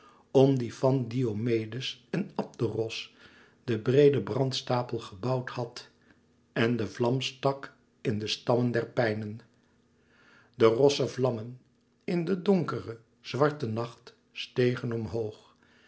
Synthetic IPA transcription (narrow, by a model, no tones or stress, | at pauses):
ɔmdifɑndiomejdəsɛnɑp̚dərɔs | d̥əbrejdəbrɑntstaːpəlˠχəbɑwthɑt | ɛndəvlɑmstɑk | ɪndəstɑməndɛɹpɛjnən | dərɔsəvlɑmən | ɪndədɔŋkərə | z̥ʋɑɹtənɑχt | stejχənɔmɦowχ